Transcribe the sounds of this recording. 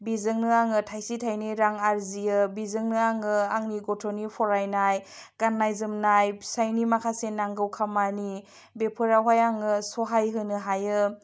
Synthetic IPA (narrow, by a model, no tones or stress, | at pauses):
bizɯŋnɯaŋɯtʰajsitʰajniɾaŋaɾziɯbizɯŋnɯaŋɯaŋniɡɔtʰonipʰɔɾajnajɡ̥anːajzɯmnajsajnimakʰasenaŋɡɯwkʰamani | bepʰɯɾawɦajaŋɯsɔɦajɦɯnɯɦajɯ